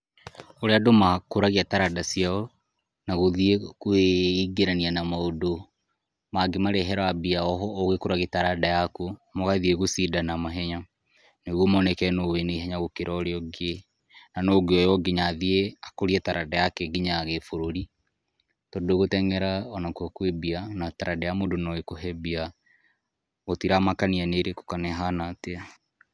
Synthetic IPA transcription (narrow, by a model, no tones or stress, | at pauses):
oɾeadomakoɾaɣiataɾadasiaɔ | naɣoðiekweiɡeɾanianamaodo | maɡemaɾɛɦɛɾabiaɔɦɔːɣekoɾaɣetaɾadajakomoɣaðieɣosidanamaɦɛɲa | neɣwomɔnɛkɛnoweneiɦaɲaɣokeɾʔaoɾeɔɡe | nanoɡeɔjɔɡiɲaðieakoɾiɛtaɾʔadajakɛɡiɲaɣefoɾoɾi | todoɣotɛŋɛɾaɔnakwakwebianataɾadɛjamodonɔɣekoɦɛbia | ɣotiɾamakanianeɾeko̥kanɛɦanatea